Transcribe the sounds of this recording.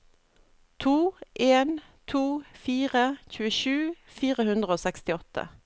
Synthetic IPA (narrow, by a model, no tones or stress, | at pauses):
t̪ʰuːʔeːn | t̪ʰuːfiːʁəçʉːəʃʉː | fiːʁəhʉnd̪ʁəoːsɛkst̪ɪɔt̪ʰːə̰